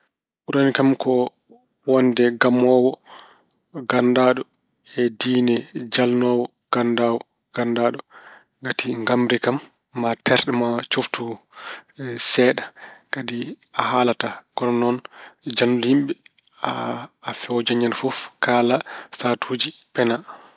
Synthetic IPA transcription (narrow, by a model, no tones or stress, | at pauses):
ʔuɾanikamkɔ | wɔndɛɡamɔːwɔ | ɡandaːɗɔ | ɛdiːnɛd͡ʒalnɔːwɔ | ɡ̥andawɔ | ɡ̥andaɗɔ | ɡatʰiŋɡamɾɛkamː | atɛɾɗɛmat͡ʃoftu | sɛːɗakadi | aɦaːlataɡ̥ɔɾɔnɔnd͡ʒanːulhimɓɛ | aːfɛwd͡ʒaɲanfɔfkaːlastatʰud͡ʒipɛna